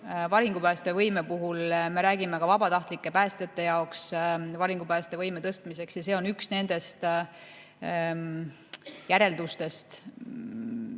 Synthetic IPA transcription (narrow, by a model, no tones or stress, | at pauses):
vɑɾiŋɡ̥upæːst̪e̞vɤjme̞puɦulme̞ɾæːɡime̞kɑvɑbɑt̪ɑht̪likːe̞pæːst̪et̪ːe̞jɑoksvɑɾiŋɡ̥upæːst̪evɤjme̞t̪ɤst̪mise̞ksjɑse̞ːonyksne̞nd̪̥e̞st̪ | jæɾe̞ld̪ust̪e̞st̪